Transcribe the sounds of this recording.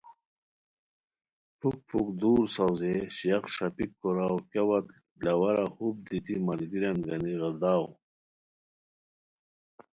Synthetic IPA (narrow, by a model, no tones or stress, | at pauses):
pʰuk̚pʰukd̪uːɾsawzeɕijaqʂapikːɔɾawkawat̪ | lɐwɐɾahub̚d̪it̪imɐlɡiɾanɡɐniɣɑɾd̪aːw